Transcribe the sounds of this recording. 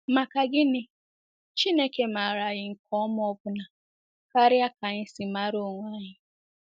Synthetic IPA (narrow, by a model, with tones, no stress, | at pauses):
ma˨ka˨ɡɪ˦nɪ˨ | t͡ʃi˦ne˦ke˨ma˨ɾa˨ɣɪ˨˦ŋ̩˨kʰɔ˦m˦ɔ˦bʊ˨na˨ | ka˦ɾɪ˦a˦ka˨ɲɪ˦sɪ˨ma˦ɾʊ˦˨ŋʷa˦˨ɲɪ˦